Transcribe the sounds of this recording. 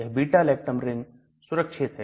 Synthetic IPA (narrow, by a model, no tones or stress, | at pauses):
ɐɦbiːʈaːleːk̚ʈəmɾɪ̃ŋɡ | sʊɾəkʃʰɪt̪ɦ